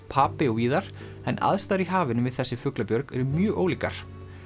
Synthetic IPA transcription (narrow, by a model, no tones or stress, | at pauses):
pʰaːpɪɔiːðaɾ̥ | ɛna̰ðst̪aːðɾiɦaːvɪnʏvɪðθɛsːɪfʏklapjœɾkɛɾʏmjœːʔoːwliːka̰ɾ̥